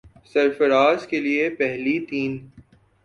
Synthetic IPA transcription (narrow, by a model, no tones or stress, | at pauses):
sɐɾfɐɾaːzkeliepɛɦlit̪iːn